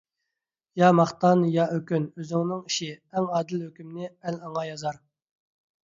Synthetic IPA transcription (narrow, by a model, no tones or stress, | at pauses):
jɑmɑχt̪ɑnjɑʔøkʲynøzɪŋnɪŋiʃiɛŋɑːd̪ɪlhøkʲymnɪɛlɑŋɑjɑzɑɾ